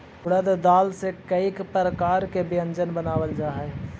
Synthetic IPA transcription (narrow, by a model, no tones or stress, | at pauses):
kʊɽəd̪d̪aːlsekəikpɾəkaːɾkebɪjə̃nd͡ʒənbənaːʋəld͡ʒaːɦe